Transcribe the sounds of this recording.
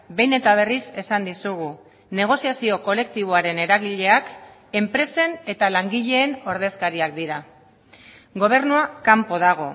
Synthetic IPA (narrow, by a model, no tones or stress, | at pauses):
be̞jne̞t̪aβ̞e̞rise̞sand̪isuɣ̞u | ne̞ɣ̞o̞siasio̞ko̞le̞k̚t̪iβ̞o̞aɾe̞ne̞ɾaɣiʎe̞ak | e̞mpɾe̞se̞ne̞t̪alaŋɡiʎe̞ːno̞ɾð̞e̞skaɾiak̚d̪iɾa | ɡo̞β̞e̞rnuakampo̞ðaɣ̞o̞̰